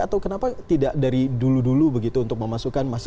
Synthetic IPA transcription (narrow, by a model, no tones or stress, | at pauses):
at̪awkənapat̪idaʔdaɾiduludulubəɡit̪uːnt̪ʊk̚məmasukanmas